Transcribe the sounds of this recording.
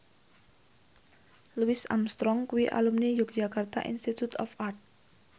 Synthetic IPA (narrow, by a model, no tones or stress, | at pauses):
luisa̰mst̪ɾɔŋkuwiʔa̰lumnijʊk̚d̥d͡ʒakart̪a̰ʔḭnst̪it̪ut̪ɔfart̪̚